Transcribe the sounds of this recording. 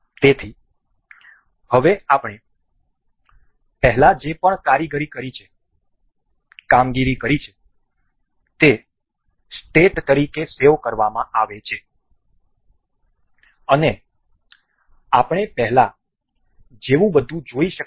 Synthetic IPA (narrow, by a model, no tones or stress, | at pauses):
t̪et̪ʰi | həʋeapɳ̃e | pɛɦlad͡ʒepəɳkaɾiɡəɾikəɾit͡ʃʰe | kamɡiɾikəɾit͡ʃʰe̥ | t̪e | sʈeʈt̪əɾikeseʋkəɾʋamãʔaʋet͡ʃʰe | əne | apɳ̃epɛɦla | d͡ʒeʋũbəd̪ʱũd͡ʒoiʃə